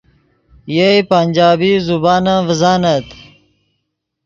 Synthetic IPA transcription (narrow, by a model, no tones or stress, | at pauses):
jeipanʲd͡ʑaːbiːzubaːnãːvəzaːnɐt̪